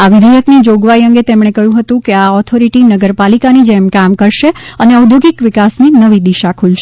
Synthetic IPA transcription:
aʋɪd̪ʱijək̪nid͡ʒoɡʋaiəŋɡet̪emɽ̃ekəɦjũɦət̪ũkeaɔt̪ʰoɾiʈinəɡəɾpalikanid͡ʒemkamkəɾʃeəneəud̪ʱjoɡikʋɪkasninəʋid̪iʃakʰulʃe

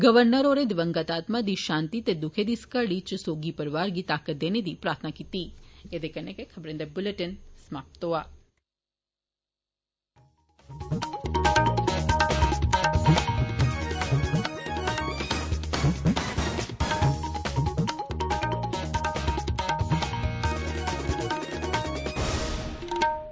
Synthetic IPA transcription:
ɡəʋəɾnəɾoɾed̪ʋəŋɡat̪at̪mad̪iʃant̪it̪ed̪ukʰed̪iskəɽit͡ʃsoɡipəɾʋaɾɡit̪akət̪d̪ened̪ipɾaːɾt̪ʰnakit̪ied̪ekənekekʰəbɾənd̪əbʊleʈənsmap̚t̪oa

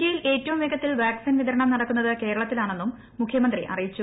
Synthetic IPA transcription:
ijile̞ːtːɐʋumʋeɡɐt̪ːilʋaːksinʋiðɐɾɐɳɐmnɐɽɐkːunːɐðɨke̞ːɾɐɭɐt̪ːilaːɳe̞nːumː | ukʰjɐmɐnd̪rḭʔɐ̰rijit͡ɕːu

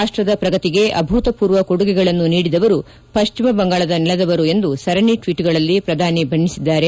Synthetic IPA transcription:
aːʂʈɾɐd̪ɐpɾɐɡɐt̪iɡe̞ʔɐ̰bʱuːt̪ɐpuːɾʋɐkoɽuɡɛɡɐɭɐnːuniːɽid̪ɐʋɐɾu | pɐʃt͡ʃimɐbɐŋɡaːɭɐd̪ɐnilɐd̪ɐʋɐɾue̞nd̪usɐɾɐɳiʈʋiːʈɡɐɭɐlːipɾɐd̪ʱaːnibʱɐɳːisid̪ːaːɾe

